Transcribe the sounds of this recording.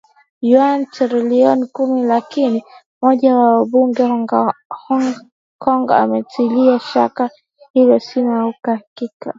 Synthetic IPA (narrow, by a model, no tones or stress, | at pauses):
jwantɾɛliɔnikumilakini | mɔʄawawaɓuŋɡɛ | kʰɔŋɡɔ̰a̰mɛtiliaʃa̰ka | hilɔsinaukahakika